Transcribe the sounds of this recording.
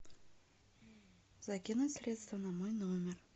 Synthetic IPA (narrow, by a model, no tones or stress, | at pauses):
zakʲinusʲrʲe̞t̪st̪vənamojnumʲer